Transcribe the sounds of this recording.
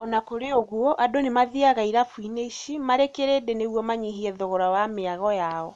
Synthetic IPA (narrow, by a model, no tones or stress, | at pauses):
ɔnakoɾeoɣuɔʔadonemaðiaɣaiɾafwineiʃimaɾekeɾedeneɣwɔmaɲiɦiɛðoɣɔɾawameaɣɔjaɔ